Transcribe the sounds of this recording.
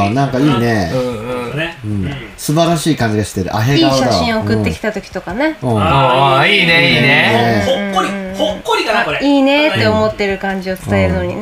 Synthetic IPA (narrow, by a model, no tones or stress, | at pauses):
nãŋkaiːne̞ | ɯ̟̃ɴ | sɨbaɾaɕiːkãɲ̟d͡ʑid̪eɕi̥t̪e̞ɾɯ̟̰ʔa̰ɦeiaːɕad̪aɕĩoːkɯ̟ːe̞ki̥t̪at̪o̞kʲi̥t̪o̞kane̞õ | iːeieeokːoɾihokːoɾʲikaaoiːne̞t̪ːe̞o̞mo̞t̪ːe̞ɾɯ̟kãɲ̟d͡ʑio̞t͡sɨ̥t̪ae̞ɾɯ̟no̞ɲ̟i